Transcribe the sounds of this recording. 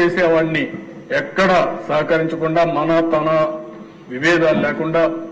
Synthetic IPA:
eːseːʋaːɽni | ɛkːɐɽɐsɐːɦɐkɐɾiɲt͡ʃɐkuɳɖaːmɐnɐt̪ɐnɐ | ʋiʋɛːd̪aːllɛːkuɳɖaː

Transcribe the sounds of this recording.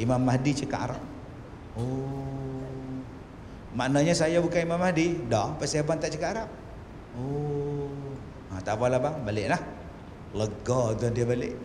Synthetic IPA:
imamːahdit͡ʃəka̰ʔaɾap̚ | o | maʔnaɲasajabukanimamahdidɔpaʔsabant̪aʔt͡ʃəkaaɾap̚ | o | at̪aʔpalabaŋbalɪʔlah | ləɡɔd͡ʒɔndiabalɪʔ

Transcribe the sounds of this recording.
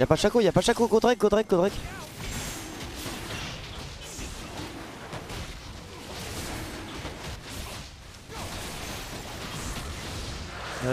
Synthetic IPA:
ja̰paʃakojapaʃakoɡod̪ʁɛk̚ɡod̪ʁɛk̚ɡod̪ʁɛk

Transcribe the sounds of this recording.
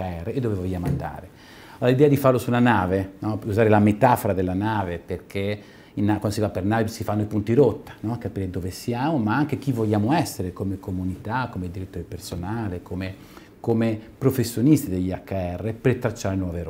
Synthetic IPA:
aɛreed̪ːovevoʎːaːmoand̪a̰ːɾe | oalid̪ɛad̪ifarlosulanaːvenɔuzaːɾelamet̪afoɾad̪elːanaːveperk̟ʰe | inakwand̪osivapːernaːvisifanːoipunt̪iɾot̪ːḁnɔkapiːɾed̪oːvesjaːmomaaŋk̟ek̟ivoʎːaːmoɛsːeɾekomekomunit̪akːomed̪iɾit̪ːoɾepersonaːlekome | komepɾofesːjonist̪id̪eʎːiakːaɛrːepet̪ːɾat͡ʃːaɾenwɔveɾ

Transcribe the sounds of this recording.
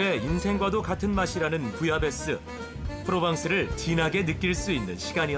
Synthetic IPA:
e̞insʰe̞ŋɡwadokatʰɯnmaɕʰiɾanɯnpujabe̞s͈ɯ | pʰɯɾobaŋs͈ʰɯɾɯɭt͡ɕinaɡe̞nɯk͈iɭs͈uinːɯnɕʰiɡaɲiʌ

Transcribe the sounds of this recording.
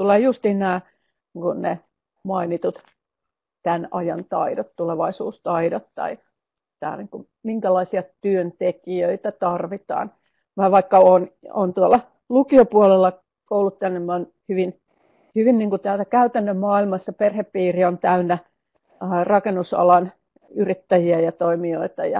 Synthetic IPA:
t̪uleːjust̪iːnnæː | ŋkunnḛ | mɑinit̪ut̪ | t̪ænɑjɑnt̪ɑidot̪t̪uleʋɑisṵːst̪ɑidot̪t̪ɑ̰i | t̪æ̰ːniːŋkum | miŋkælɑisiɑt̪yønt̪ekiøit̪æt̪ɑrʋit̪ɑ̰ːn | mɑʋɑikːɑoːno̰nt̪uolːˑɑ | lukiopuolelːɑ | koulut̪t̪ænːemmon | hyʋin | hyʋinniːŋkut̪æːlsækæyt̪ænːømmɑːilmɑsːɑperheppiːriont̪æynːæ | rɑkenːusɑ̰lɑn | yrit̪ːæjiæjɑt̪oimioit̪ɑjɑ̰

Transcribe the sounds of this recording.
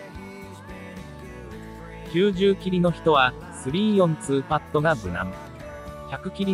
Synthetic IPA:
kʲɨːʑɨːkʲiɾʲino̞çi̥t̪o̞βa | sɨɾʲiːjõ̞nt͡sɨːpat̪ːo̞ɡabɯ̟nã̰m | çakɯ̟kʲiɾʲi

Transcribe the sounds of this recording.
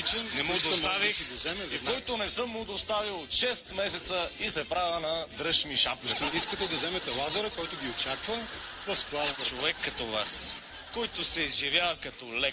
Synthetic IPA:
it͡ʃɛnnɛmod̪ost̪aviɡzɛmɛvɛk̪ɔjt̪ʊnɛsɤmːʊd̪ost̪avilˠot̪ʃɛst̪mɛsɛt̪səisɛpɾavənɐd̪ɾɤʃniʃap̚kɐt̪iskət̪ɛd̪ɐzɛmɛt̪ɛlˠazɐɾəkɔjt̪ʊɡʲiot͡ʃakvɐ | ɾɐsklˠad̪ɐt̪t͡ʃovɛkːɐt̪ɔva̰s | kɔjt̪ʊsɛizɐvjavəkɐt̪ɔlɛk

